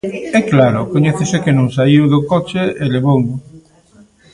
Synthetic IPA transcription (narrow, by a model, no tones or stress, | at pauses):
ɛklaɾʊkoɲɛθesekenõŋsaiwðokɔt͡ʃeeleβoŋ